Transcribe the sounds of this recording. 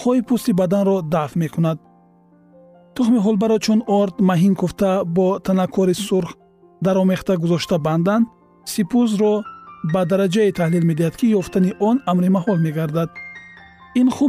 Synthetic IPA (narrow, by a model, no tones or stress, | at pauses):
χɔipʰust̪ibad̪anɾɔd̪afme̞kʰunad̪̚ | t̪ʰuχmiɦulbaɾɔt͡ʃʰunɔɾd̪maɦinkʰuft̪abɔt̪ʰanakʰɔɾisuɾχ | d̪aɾɔme̞χt̪aɡuzɔʃt̪aband̪and̪ | sipʰuzɾɔbad̪aɾad͡ʒait̪ʰahlilme̞d̪ihad̪kʰijɔft̪aniʔɔnamɾimaɦɔlme̞ɡaɾd̪ad̪ | inχu